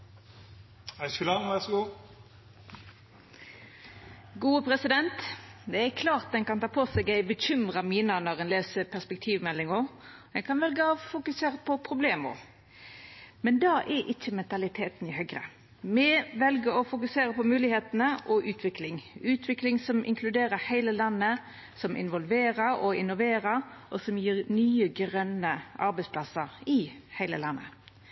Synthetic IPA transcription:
æɪskʉlɑʋæsɡuː | ɡuːəpʰɾɛsɪd̪ɛnt̪d̪ɛækʰlɑːʁt̪̚d̪ɛnkɑnt̪ʰɑːpʰɔsɛɡæɪbəçʏmʁɑmiːnənɔʁɛnleːsəpʰæspɛkt̪ʰiːʋmɛlːɪŋɔ | ɛkɑnʋɛlɡəɔfʊkʉseːɾəpʰɔpʰʁʊbleːmə̰ɾ | mɛnd̪ɑʔɛʔɪçːəmɛnt̪ɑlɪt̪ʰeːt̪nɪhœɡʁə̰ | mɛʋɛlɡəɔfʊkʉseːɾəpɔmʉːlɪheːt̪nəʔɔʔʉːt̪ʰʋɪklɪŋʉːt̪ʰʋɪklɪŋsɔmʔɪ̰ŋkʰlʉd̪eːɾəhæɪləlɑnːə | sɔmʔɪ̰nʋɔlʋeːʁəɾɔɪnːʊʋeːɾəɾʔɔsɔmjiːɾnyːəɡɾœnːəʔɑɾbæɛɪspʰlɑsəɾɪhæɪlə̰lɑnːə̰

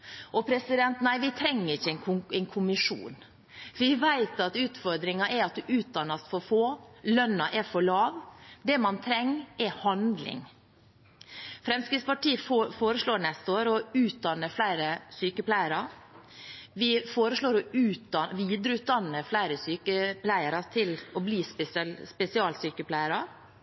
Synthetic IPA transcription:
ʔɔpʰɾɛsɪd̪ɛnt̪næɪʋɪt̪ʰɾɛŋːəɾɪçːəɛnʰʊɛɪnkʰʊmɪʂṵːn | ʋɪʋæɪt̪ɑt̪ʉːt̪fɔɾd̪ɾɪŋɑʔɛɾɑt̪̚d̪ʉʔʉːt̪̚d̪ɑnːɑst̪fɔɾfoːlœnːɑʔɛfɔɭɑːʋd̪ɛmɑnt̪ʰɾɛŋːɛhɑnd̪lɪ̰ŋ | fɾɛmskɾɪːt̪spɑʈiːəfoːɾəsloːɾnɛst̪əoːɾɔʉːt̪̚d̪ɑnːəflæɪɾəsyːkəpʰlæɪəɾɑ | ʋɪfoːɾəsloːɾɔʉːt̪ɑʋiːd̪ɾəʉːt̪̚d̪ɑnːəflæɪɾəsyːkəplæɪəɾɑt̪ʰɪlɔbliːsspɛsɪɑːlsyːkəpʰlæɪəɾɑ

